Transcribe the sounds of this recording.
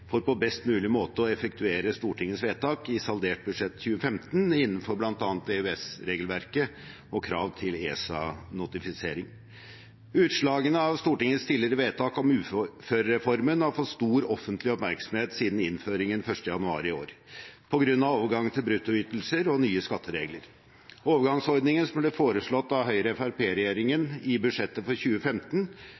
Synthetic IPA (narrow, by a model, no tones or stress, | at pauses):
fɔɾpɔbɛst̪mʉːlɪmoːt̪əɔɛfɛk̚t̪ʰʉeːɾəst̪uːʈɪŋːəsʋeːt̪ʰɑːkɪsɑld̪eːʈ̚bʉd̪ʂɛt̪ːçʉːəfɛmt̪nɪnːənfɔɾblɑnt̪ɑːnt̪ɛɛsɾeːɡəlʋæɾkə | ɔkʰɾɑːʋt̪ʰɪleːsɑ̰nʊt̪ɪfɪseːɾɪŋ | ʉːt̪ʂɭɑːɡənəɑʋst̪uːʈɪŋːəst̪ʰɪlɪɾəʋeːt̪ʰɑːkɔmʉːføːɾəɾɛfɔɾmənhɑɾfɔt̪st̪uːɾɔfənt̪ʰlɪɔpmæɾksɔm̩heːt̪siːd̪n̩ɪnføːɾɪŋənfœʂʈəjɑnʉɑ̰ːɾɪoːɾpʰɔɡɾʉnːɑʋoːʋəɾɡɑŋːt̪ʰɪlbɾʉt̪ːʊʏt̪l̩səɾɔnyːəskɑt̪ːəɾeːɡləɾ | oːʋəɾɡɑŋsɔɾd̪nɪŋənsɔmblɛːfoːɾəʂɭɔt̪ːɑʋɦœʏɾəɛfæɾpʰeːɾɛjeːɾɪŋənɪbʉʂɛt̪ːəfɔɾçʉːəfɛmt̪n